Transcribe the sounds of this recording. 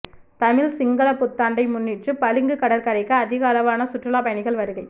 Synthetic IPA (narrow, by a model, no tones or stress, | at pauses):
t̪ɐmɪlsɪŋɡɐɭɐpːʊt̪ːaːɳɖɐɪmʊnːɪʈrɯpɐlɯŋɡɯkɐɽɐɾkɐɾɐɪkːɯɐðɪɣaːlɐʋaːnɐsʊʈrɯlaːpɐjɐnɪɣɐɭʋɐɾɯɣɐɪ